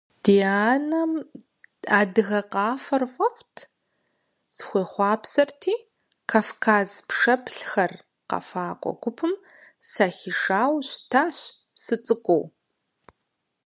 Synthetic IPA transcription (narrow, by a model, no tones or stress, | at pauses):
d̥iaːnɐm | aːdɨɣɐqɑːfɐrfʼɐftʰ | sxʷeːχʷɑːpsɐrtʰiː | kʰaːfkʰaːzpʂɐpɬxɐr | qɐ̰faːkʷʼɔ̰ɡʷʊpʰɨm | saːxiʂaːwɕtʰaːɕ | sɨt͡sʼɨkʷʼow